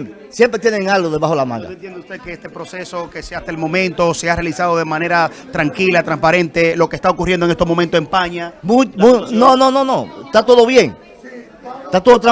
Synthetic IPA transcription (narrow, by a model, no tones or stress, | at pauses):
psje̞mpɾet̪jeneŋalɣoðe̞βaxo̞lamã̰ŋɡa̰ent̪jend̪eust̪ekeest̪e̞pɾo̞se̞so̞keseast̪aelmõ̞mẽnt̪o̞se̞arealisaðoðemãne̞ɾa | t̪ɾaŋkilat̪ɾaŋspaɾẽ̞nt̪e̞lo̞kest̪aokurjendoeŋest̪omo̞mẽnt̪oe̞mpaɲamumunonono̞noest̪at̪o̞ðo̞βje̞ŋ | t̪at̪oðot̪̬ɾa